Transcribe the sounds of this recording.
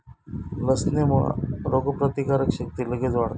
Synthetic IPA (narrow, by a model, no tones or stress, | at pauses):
ləsnemə̰ɾoɡəpɾɐt̪ikaɾəkʃək̚t̪iləɡed͡zʋaɽt̪